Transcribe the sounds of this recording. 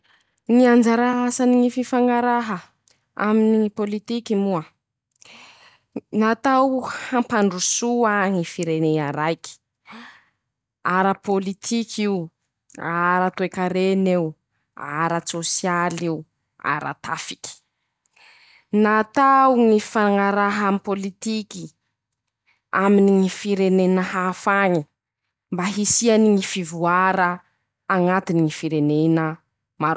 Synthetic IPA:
ŋiand͡ʒaɾaasaniŋififaŋaɾaɦə | a̰minipolit̪ikimuə | nat̪awhampaɳɖ͡ʐusuaŋifiɾeneaɾajki̥ | aɾəpolit̪ʰikʰiw | aɾat̪uekaɾenew | aɾət͡sosjaliu | a̰ɾa̰t̪ʰafi̥kʲi̥ | nat̪awŋifaŋaɾaɦamipolit̪iki | aminiŋifiɾenenəhafaŋi | mbaɦisianiŋifivuaɾəː | ŋat̪iniŋifiɾenenə | maɾ

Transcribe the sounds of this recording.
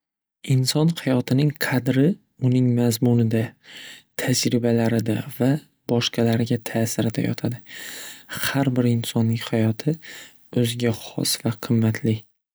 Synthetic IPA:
ɪnsɒnhajɒt̪ʰɪnɪŋqʰɑd̪ɾɪ | ʊnɪŋmazmʊnɪd̪at̪ʰad͡ʒɾɪbalaɾɪd̪ava | bɒʃqʰɑlaɾɪɡʲat̪ʰaːsɪɾɪd̪a̰jɒ̰t̪ʰad̪ɪ | haɾbɪɾɪnsɒnːɪŋʲhajɒt̪ʰɪ | ɵzɪɡʲaχɒ̰svaqʰɨmːat̪ʰlɪ

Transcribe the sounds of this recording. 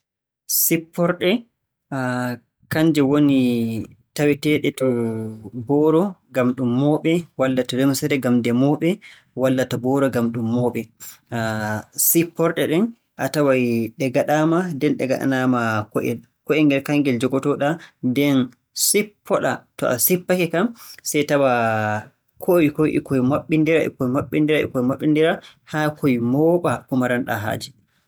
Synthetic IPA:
sipːɔɾɗɛ | a | kaɲd͡ʒɛwoni | tawitɛɗɛtɔ | bɔɾɔɡamɗumːɔɓɛwalːatalɛmsɛɾɛɡamdɛmɔɓɛ | walːatabɔɾɔɡamɗumːɔɓɛ | sipːɔɾɗɛɗɛn | ʔatawajɗɛɡaɗamadɛnɗɛɡa̰ɗa̰namakɔʔɛ̰ | kɔɛŋɡɛlkaŋɡɛld͡ʒɔɡɔtɔɗadɛn | sipʰːɔɗatɔ̰ʔa̰sipːakɛkamsɛjtawa | kʰoikoʔḭkojmaɓːindiɾaʔɛ̰kojmaɓːindiɾaʔɛ̰kɔjmaɓːindiɾa | hakʰojmɔɓakumaɾanɗa̰ɦa̰ːd͡ʒi

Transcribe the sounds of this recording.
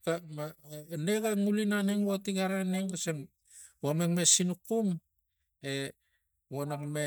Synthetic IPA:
kamanekaŋulinaneŋwotiɡaɾaneŋkaseŋ | wamekmesinukum | e | wonakme

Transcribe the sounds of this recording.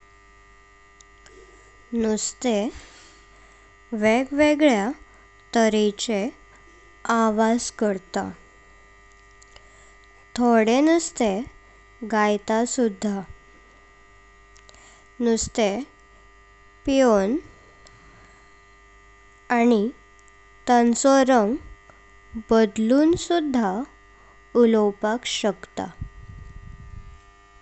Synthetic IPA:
nust̪e | ʋeɡʋeɡɭja | t̪əɾit͡ɕe | aʋad͡zkəɾt̪a̰ | t̪ʰoɽenust̪e | ɡajt̪asud̪ʱːa | nust̪e | pijon | ni | t̪ansɔɾəŋɡ | bəd̪luːnsud̪ʱːa | ulɔwpakɕəkt̪a̰

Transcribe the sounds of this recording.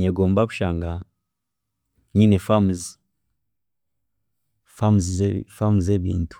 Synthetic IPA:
ɲeɡoːmbaku̥ʃaːŋɡa | ɲiːnefamz | famzfamuzeβḭːntu̥

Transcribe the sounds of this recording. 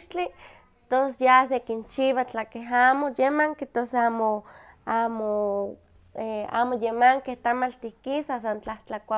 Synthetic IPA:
ʃt͡ɬi | t̪osjas̬ekint͡ʃiβat͡ɬakeɦaːmojemaŋket̪osaːmoamo | ea̰ːmojemaŋkeht̪amalt̪ihkisasant͡ɬaht͡ɬakʷa

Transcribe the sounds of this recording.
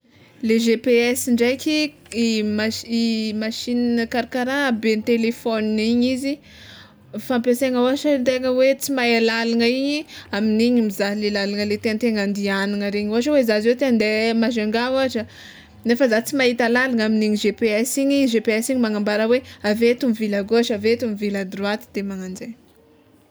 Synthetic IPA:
leʒepeɛsiɳɖ͡ʐajkʲi | maimaʃinnkaɾakaɾabenit̪elefɔniiɲizi | fampeseŋəuɦaʈ͡ʂənt̪eŋəwet͡simaalalaŋəiɲiaminiɲimizaɦlelalaŋəlet̪eant̪eŋand̪ianaŋəɾeɲuaʈ͡ʂəweizazewt̪eand̪emaʒaŋɡaaʈ͡ʂə | nefəzat͡simaɦit̪alalaŋaminiɲiʒepeɛsiɲiʒepeɛsiɲimaŋambaɾəweavet̪umivilaɡoaʃavet̪umivilad̪ruat̪i̥d̪̥emaŋand͡zej

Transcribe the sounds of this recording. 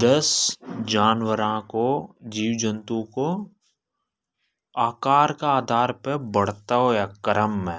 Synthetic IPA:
d̪əsd͡ʒaːnwəɾãkod͡ʒiːwd͡ʒə̃nt̪ũko | aːkaːɾkaaːd̪ʱaːɾpebəɽ̤t̪aɦoaːkəɾəmːẽː

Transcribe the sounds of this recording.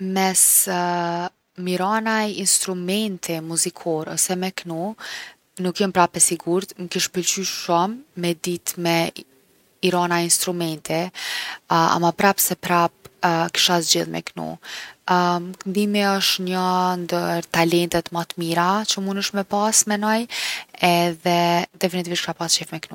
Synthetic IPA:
mɛs | miɾanajinst̪ɾumɛnt̪ʰimuzikʰɔɾɔ̰sɛmɛknu | nukjɔmpɾapɛsiɡuɾt̪nukiʃpəlt͡ʃyʃɔmːɛd̪it̪mɛ | iɾanainst̪ɾumɛnt̪i | a̰mapɾapsɛpɾap̚ki̥ʃazd͡ʑiðmɛ̰knṵ | kənd̪imiɔʃt̪ɲənd̪əɾt̪alɛnt̪ɛt̪mat̪miɾat͡ɕəmunəʃmɛpasmɛnɔjɛðɛd̪ɛfinit̪iviʃkʃapast͡ʃɛfmɛknu

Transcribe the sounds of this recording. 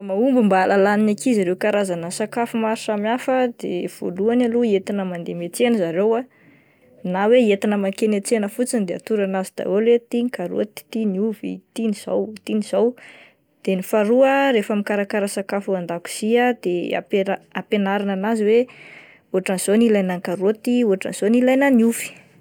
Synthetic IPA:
maumbumbalalaninakizaɾewkaɾazanəsakafumaɾiʃamiafəd̪ḛv̥o̰luanaluet̪inəmand̪emet͡senəzaɾewa | naweet̪inəmakenet͡senəfut͡sind̪ea̰t̪uɾanazid̪̥a̰welwet̪inikaɾṵət̪i̥t̪iniuvḭt̪iniz̥o̰wt̪iniz̥aw | d̪̥enifaɾuəɾefamikaɾakaɾasakafuand̪aku̥z̥iad̪ea̰peaapenaɾananaziwe | oaʈ͡ʂanz̥onilajnaŋkaɾot̪iuaʈ͡ʂa̰nz̥onilajnəniuvi̥

